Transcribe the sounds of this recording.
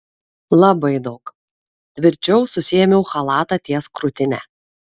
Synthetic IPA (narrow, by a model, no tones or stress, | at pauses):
lˠɐbɐɪd̪ɐʊk | t̪ʲʋʲɪɾʲt͡ʃʲɛʊsʊsʲɪjɛmʲɛʊxɐlˠɑːt̪ɑt̪ʲiɛskɾʊt̪ʲɪnʲɛ̰